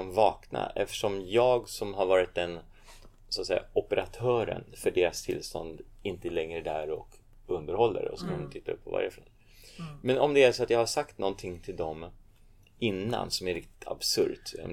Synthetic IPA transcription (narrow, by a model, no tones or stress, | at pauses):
mvɑːkna̰ʔɛft̪əʂɔmjɑːɡsɔmɦaɾvɑːɾɪt̪̚d̪ɛn | sɔat̪sɛjːa̰ɔpəɾʔat̪ʰœːɾə̰nfœɖeːɾast̪ʰɪlst̪ɔ̰nd̪ | ɪnt̪əlɛŋɾəd̪æɾɔk | ɵnd̪əɾhɔlːə̰ɾɔ̰sɔkʰant̪ʰɪt̪ːaɵ̰pʰːɔva̰ɾjəfɔn | mɛnɔmd̪ɛæʂɔat̪jɑhaʂakt̪nɔnt̪ʰɪŋːt̪ʰɪld̪ɔm | ɪnːa̰nsɔmæɾɪkt̪ɪ̥t̪ʰa̰bsɵ̰ɾt̪